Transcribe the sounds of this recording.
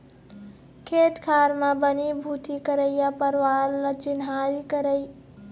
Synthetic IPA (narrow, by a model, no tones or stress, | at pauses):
kʰet̪kʰaɾmabənibʱut̪ikəɾəjapəɾwaɾlət͡ʃinɦaɾikəɾəj